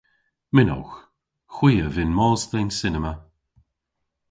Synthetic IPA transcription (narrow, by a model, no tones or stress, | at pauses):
mɪnɔ̰wx | xwiːəvɪnmɔːstejnsɪnəmə